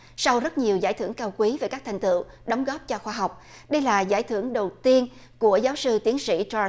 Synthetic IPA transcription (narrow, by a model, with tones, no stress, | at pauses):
sa˧wzə˦˥t̚ɲi˨˩əwza̰ː˧˩jt̪ʰɨ˧˩əŋkaː˧wkwi˨˦ve˨˩kaː˦˥k̚t̪ʰŋ̟t̪ɨ̰˧˨w | ɗɔ˨˦wŋ͡mɣɔː˦˥p̚t͡ɕɔ˧xwaː˧ɦa˨˩wk͡p̚ | ɗə˧jlaː˨˩za̰ː˧˩jt̪ʰɨ˧˩əŋɗə˨˩wt̪i˧ən | ku˧˩əzaː˨˦wsɨ˧t̪i˨˦ənsḭ˧˥t͡ɕɔ˧